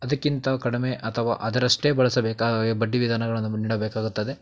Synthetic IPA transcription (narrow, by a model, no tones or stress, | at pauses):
ɐd̪ɐkːint̪ɐkɐɽimeʔɐt̪ʰɐʋa̰ːʔɐd̪ɐɾɐʂʈeːbɐɭɐsɐbeːkabɐɖːiʋid̪ʱaːnɐɡɐɭɐnːuniːɽobeːkaːɡut̪ːɐd̪e̞